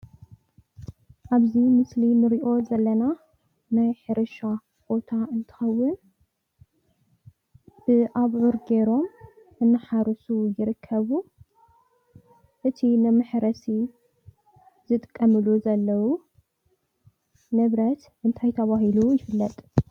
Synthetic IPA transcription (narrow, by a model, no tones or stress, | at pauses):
ʔaβzimɨslimɨɾiʔo̞zɐlːɐna | najħɨɾɨʃa | b̥o̞t̪ʰaɨnt̪ʰɨ̥xɐwːʊn | b̥ɨʔaβʕʊɾɡe̞ɾo̞m | ʔɨnːɨħaɾɨsujɪɾɨkʰːɐβu | ʔɨt̪ʰinɨmɨħɾɐsi | z̥ɨt̪ʼɨkʼːɐmɨluzɐlːɐwu | nɨβɾɐt̪ʔɨnt̪ʰajt̪ʰɐβaɦilujɪfɨlːɐt̪ʼ